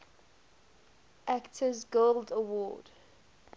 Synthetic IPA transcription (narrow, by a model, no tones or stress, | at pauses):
ʔæktʰəzɡoldəwɔ̰ːd̥